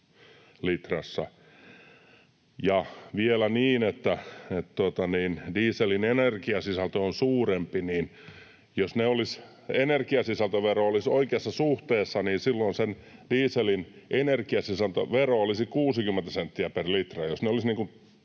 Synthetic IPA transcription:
lit̪rɑsːɑ | jɑʋielæniːnet̪ːæet̪t̪uot̪ɑniːndiːselinenerkiɑsisælt̪øonsuːrempiniːn | josneolis | enerkiɑsisælt̪øʋeroolisoikeɑsːɑsuht̪eːsːɑniːnsilːoinsend̥iːselinʔenerkiɑsisælt̪ø̰ʋeroolisikuːsikymːent̪æsent̪ːiæperlit̪rɑjosneolisniːŋkun

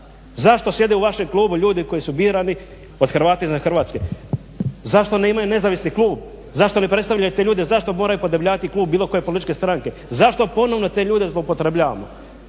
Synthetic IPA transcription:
zaʃt̪o̞sje̞d̪euʋaʃe̞mklˠuːbuʎuːd̪iko̞jisubiːɾani | o̞d̪xr̩ʋaːt̪eiznaxr̩ʋaːt̪ske̞ | zaʃt̪o̞neimajune̞zaːʋisniklˠuːb | zaʃt̪o̞nepɾe̞t̪st̪aʋlʎajut̪e̞ʎuːd̪ezaʃt̪o̞mo̞ɾajupod̪ebʎaːʋat̪iklˠuːbbiːlo̞ko̞je̞polit̪it͡ʃke̞st̪ɾaŋkezaʃt̪o̞po̞no̞ʋno̞t̪e̞ːʎuːd̪ezlˠoupo̞t̪ɾebʎaːʋa̰mo̰

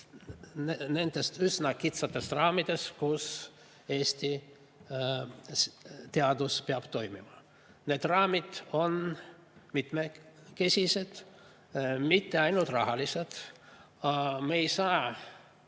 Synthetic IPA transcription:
ne̞nd̪̥e̞st̪ysnɑkit̪sɑt̪ːˑe̞srɑːmid̪̥e̞skus | e̞ːsʲt̪i | st̪eɑd̪̥uspeɑb̥t̪o̞jmḭmɑ̰ | ne̞ːd̪rɑːmid̪̥o̞n | mit̪meke̞sʲise̞d̪̥ | mit̪ːe̞ɑjnult̪rɑɦɑlised̪̥ | ɑmeejsɑː

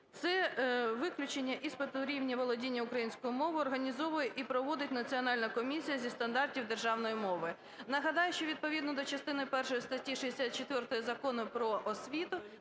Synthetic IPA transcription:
t̪sɛʋɪklʲʊt͡ʃenʲːɐʔispet̪ʊɾʲiwnʲiʋɔlˠɔdʲinʲːɐʊkɾɐjinʲsʲkɔjʊmɔʋʊɔrɦɐnʲizɔʋʊjɛʔipɾɔʋɔd̪ɪtʲnɐt͡sʲiɔnɑlʲnɐkɔmʲisʲijɐzʲist̪ɐnd̪ɑrtʲiwd̪erʒɑwnɔjimɔʋɪ | nɐɦɐd̪ɑjʊʃt͡ʃɔʋʲid̪̚pɔʋʲid̪nɔd̪ɔt͡ʃɐst̪ɪnɪpɛrʃɔjist̪ɐtʲːiʃid̪ʲesʲat̪̚t͡ʃet̪ʋɛrt̪ɔjizɐkɔnʊpɾɔʔɔsʲʋʲit̪ʊ

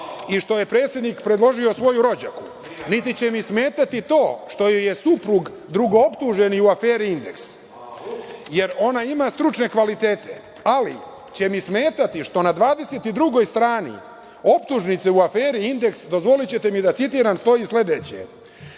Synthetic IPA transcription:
iʃt̪o̞jepɾe̞ːt̪sʲje̞d̪nikpɾed̪lˠo̞ʒio̞sʋo̞juɾo̞d͡ʑaku | nit̪it͡ɕe̞misme̞ːt̪at̪it̪o̞ːʃt̪o̞jojesupɾuɡ | d̪ɾuɡo̞opt̪uʒe̞niuafeːɾiind̪e̞ks | je̞ɾo̞naimast̪ɾut͡ʃne̞kʋalit̪eːt̪ʰe̞̰ | alḭ | t͡ɕe̞mismeːt̪at̪iʂt̪o̞nad̪ʋaːd̪e̞set̪id̪ɾuɡo̞jst̪ɾaːnḭ | o̞pt̪uʒnit̪seuafeːɾiind̪e̞ksd̪o̞zʋo̞lit͡ɕe̞t̪e̞mid̪at̪sit̪̬iːɾanst̪o̞jisle̞d̪eːt͡ɕḛ

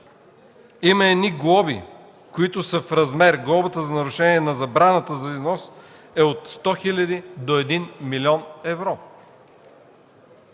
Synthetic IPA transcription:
iməɛd̪niɡlˠɔbḭ | koit̪ʊsəfɾɐzmɛɾɡlˠɔbət̪əzɐnɐɾʊʃɛniɛnɐzɐbɾanət̪əzɐiznɔs | ɛot̪st̪ɔxilʲɐd̪id̪oɛd̪inmilʲiɔnɛvɾo

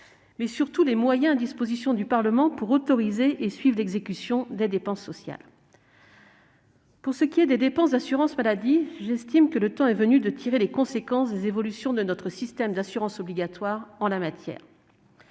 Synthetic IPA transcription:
mɛsyʁt̪ulemwajɛ̃ad̪ispozisjɔ̃d̪ypaʁləmɑ̃puʁot̪ɔʁizeʔesɥivʁlɛɡzekʲysjɔ̃d̪ed̪epɑ̃sːɔsja̰l | puʁsəkʲiɛd̪ed̪epɑ̃sd̪asyʁɑ̃smalad̪iʒɛst̪imkələt̪ɑ̃ɛvənyd̪ət̪ʰiʁelekɔ̃sekɑ̃sd̪ezevɔlysjɔ̃d̪ənɔt̪χəsist̪ɛmd̪asyʁɑ̃sɔbliɡʲat̪waʁɑ̃lamat̪jɛ̰ːʁ

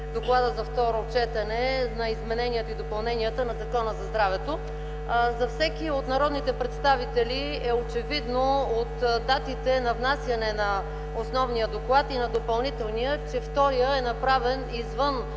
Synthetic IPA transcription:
d̪oklˠad̪əzɐft̪ɔɾot͡ʃɛt̪ɐnɛnɐizmɛnɛniət̪oid̪opɐlˠnɛniət̪ənɐzɐkɔnəzɐzd̪ɾavɛt̪o | zɐfsɛkiot̪nɐɾɔd̪nit̪ɛpɾɛt̪st̪avit̪ɛli | ɛot͡ʃɛvid̪noot̪d̪at̪it̪ɛnɐvnasjɐnɛnɐ | osnɔvnijəd̪oklˠat̪inɐd̪opɐlˠnit̪ɛlˠnijət͡ʃɛft̪ɔɾijəɛnɐpɾavɛnizvɤn

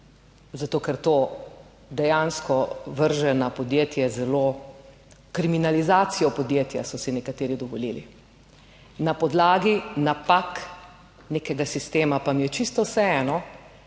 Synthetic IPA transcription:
zat̪oːkɛɾt̪oː | d̪ɛjanskɔʋəɾʒɛnapɔd̪jeːt̪jɛzɛloː | kɾiminalizaːt̪sijɔpɔd̪jeːt̪ja̰sɔsinɛkat̪eːɾid̪ɔʋɔliːli | napɔd̪laːɡinapak | neːkɛɡasist̪eːmapamijɛt͡ʃist̪ɔwsɛɛːnɔ

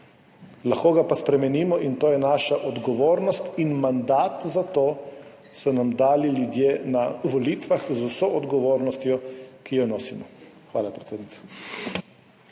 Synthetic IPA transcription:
laxkoːɡapaspɾɛmɛniːmɔʔint̪oːjɛnaːʃaʔɔd̪ɡɔʋoːɾnɔst̪inmand̪aːt̪zat̪oː | sɔnamd̪aːlilʲjud̪jeːnaʋɔliːt̪ʋaxzusoʔɔd̪ɡɔʋoːɾnɔst̪jɔkijɔnɔːsimɔ | xʋaːlapɾɛt̪seːd̪nit̪sɔ̥

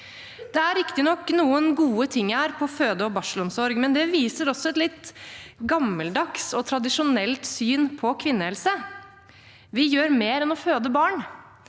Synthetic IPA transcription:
d̪ɛæɾːɪkt̪ɪnɔkːnuːənɡuːət̪ʰɪŋːæɾpʰɔføːd̪əɔbɑʂəlʊɔmsɔɾɡmɛnd̪ɛʋiːsəɾɔsːɔɛt̪lɪt̪ːɡɑmːəld̪ɑksɔt̪ʰɾɑd̪ɪʂʊnɛlt̪syːnpʰɔkʰʋɪnːəhɛlsə | ʋɪjøːɾmeːɾɛnɔføːd̪əbɑːɳ

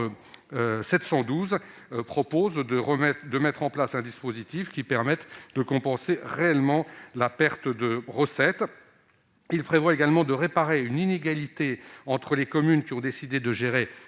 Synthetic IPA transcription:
øsɛt̪sɑ̃d̪uz | pχɔpozd̪əʁəmɛd̪əmɛt̪χɑ̃plasɛ̃d̪ispozit̪ifkʲipɛʁmɛt̪d̪əkɔ̃pɑ̃seʁeɛlmɑ̃lapɛʁt̪d̪əʁəsɛt̪ | ilpχevwaeɡalmɑ̃d̪əʁepaʁeynineɡalit̪eɑ̃t̪χəlekɔmynkʲiɔ̃d̪esid̪ed̪əʒeʁe

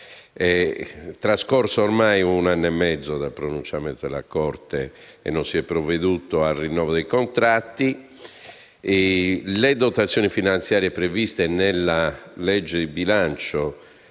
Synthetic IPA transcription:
ɛt̪ɾaskɔrsoormajunanːoɛmːɛd̪zːod̪alpɾonunt͡ʃjamɛnt̪od̪ɛ̰la̰kɔrt̪ɛ̰ː | nːonsiɛpːɾoved̪uːt̪oalrinːɔːvod̪ejkont̪ɾat̪ːi | led̪ot̪at̪sːjɔːnifinant̪sjaːɾjɛpɾevist̪enelːalɛd͡ʒːed̪ibilant͡ʃo

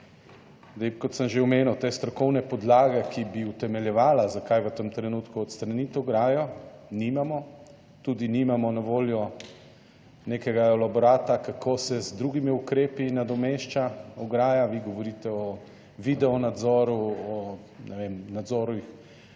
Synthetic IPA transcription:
d̪ebkɔt̪səmʒeɔmeːnuwt̪eːst̪ɾɔkɔwnɛpɔd̪laːɡɛkibiut̪ɛmɛljɛʋaːlazakajʋət̪əmt̪ɾɛnut̪kuɔt̪st̪ɾanit̪ɔɡɾaːjɔnimamɔ | t̪uːd̪inimamɔnaʋoːljɔ | nekɛɡaɛlabɔɾaːt̪akakʰosɛzd̪ɾuɡimiukɾeːpinad̪ɔmeʃt͡ʃaɔɡɾaːjaʋiɡɔʋɔɾiːt̪ɛɔ | ʋid̪ɛɔnad̪zɔːɾuɔ | nʔɛʋemnad̪zɔːɾuix

